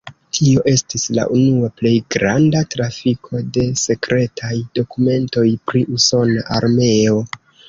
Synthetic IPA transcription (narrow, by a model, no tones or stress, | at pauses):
tʰio̞ʔe̞stisla̰ʔunuaple̞jɡɾandatɾafikʰo̞de̞se̞kɾe̞tʰajdo̞kume̞nto̞jpɾiʔuso̞naʔaɾme̞o̞